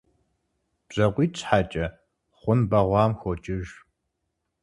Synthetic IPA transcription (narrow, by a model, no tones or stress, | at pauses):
b̥ʑ̥ɐqʷiːt͡ʃʰʼħat͡ʃʼɐ | χʷʊnbɐʁʷɑːmxʷot͡ʃʼɪʒ